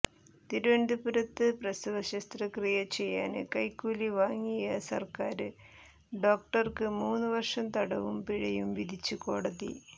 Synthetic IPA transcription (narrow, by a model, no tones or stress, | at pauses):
t̪iɾuʋeɳd̪upuɾɐt̪ːɨprɐsuʋɐɕɐst̪rɐkrijɐt͡ɕe̞jːaːnɨkɐjkːuːliʋaːŋːijɐsɐ̰rkaːɾɨ | ɖo̞ːk̚ʈɐrkɨmuːnːɨʋɐrʂɐmt̪ɐɽɐʋumpiɻɐjumʋid̪ʱit͡ɕːɨko̞ːɽɐðḭ